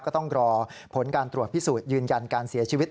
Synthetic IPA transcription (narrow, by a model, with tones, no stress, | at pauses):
kɔː˥˩t̪ɔ˥˩ŋɾɔː˧pʰo˩˦nkaː˧nt̪ɾu˨˩ət̪̚pʰi˦˥˩suː˨˩t̪̚jɯː˧nja˧nkaː˧nsi˨˩˦ɐt͡ɕʰi˧wi˦˥t̪̚